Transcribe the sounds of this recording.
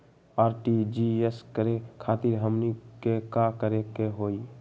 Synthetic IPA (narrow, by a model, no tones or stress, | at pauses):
aːɾʈid͡ʒieskəɾekʰaːt̪iɾɦəmnikekakəɾekeɦoːi